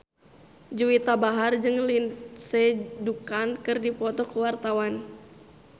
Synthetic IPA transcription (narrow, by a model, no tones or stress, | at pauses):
d͡ʒuwit̪abaɦard͡ʒɨŋlinsɛdukankɨrdipɔt̪ɔkəwart̪awan